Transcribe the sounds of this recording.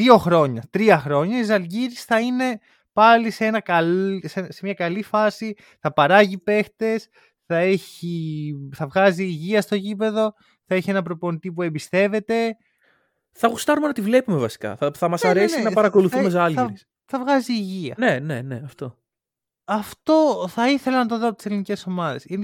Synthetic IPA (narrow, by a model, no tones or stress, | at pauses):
ðio̞xɾo̞ɲɐt̪ɾiɐxɾo̞ɲɐizɐlʝiɾisθɐine̞ | pɐliseenɐkɐlsese̞mɲɐkɐlifɐsi | θɐpɐɾɐʝipe̞xt̪e̞s | θɐe̞çiθɐvɣɐziːʝiɐst̪o̞cipe̞ðo̞ | θɐeçie̞nɐpɾo̞po̞nit̪ip̬ue̞mbist̪e̞ve̞t̪e̞ | θɐɣust̪ɐɾume̞nɐt̪ivle̞pumevɐsi̥kɐ̰θɐθɐmɐsɐɾe̞siinɐpɐɾɐko̞luθumes̬ɐlɐs | θɐvɣɐziːʝiɐ̰ne̞ne̞̰neɐft̪o̞ | ɐft̪o̞θɐiθe̞lɐnɐt̪̬o̞ðoɐpo̞t̪i̥se̞linice̞so̞mɐðe̞sin